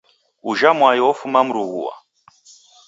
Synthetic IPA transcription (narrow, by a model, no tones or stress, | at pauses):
uʒamwajɔɔfumamuɾuɣṵwa̰